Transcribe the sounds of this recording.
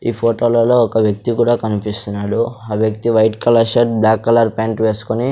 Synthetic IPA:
iːpʰoːʈoːlɐlo̞ːɔkɐʋjɐk̚t̪ikuːɽaːkɐnipist̪unːaːɽuaːʋjɐkt̪iʋɐjʈkɐlɐɾʃɐʈ̚blaːkːɐlɐɾpeːɳʈʋeːsu̥koni

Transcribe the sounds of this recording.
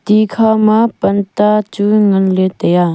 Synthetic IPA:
t̪ikʰamapənt̪at͡ʃuŋənlet̪ɐja

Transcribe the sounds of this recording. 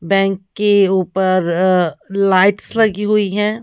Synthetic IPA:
bɛ̃ːŋkːeuːpəɾ | laːɪʈslɐɡiɦuiɦɛ̃ː

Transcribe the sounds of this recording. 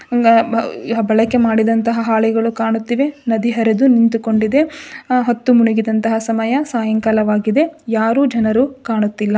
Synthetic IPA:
bɐɭɐkːe̞maːɽid̪ɐnt̪ɐɦɐɦaːɭiɡɐɭukaːɳut̪ːiʋe̞nɐd̪iɦɐɾed̪unint̪uko̞ɳɖid̪e̞ɦɐt̪ːumuniɡid̪ɐnt̪ɐɦɐsɐmɐjɐsaːjɐŋkɐlɐʋaːɡid̪e̞jaːɾuːd͡ʒɐnɐɾukaːɳut̪ːilːɐ

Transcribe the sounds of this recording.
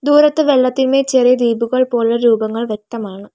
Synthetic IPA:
d̪uːɾɐt̪ːɨʋeɭːɐt̪ːinme̞ːt͡ɕerijɐd̪iːbuɣɐɭpo̞ːlːɐɾuːbɐŋːɐɭʋje̞k̚t̪ɐmaːɳɨ

